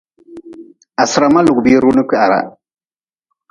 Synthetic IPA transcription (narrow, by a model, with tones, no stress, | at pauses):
a˨sɾa˨ma˦lu˨ɡbi˦ɾu˦nɨ˦ki˦ʔa˨ɾa̰˨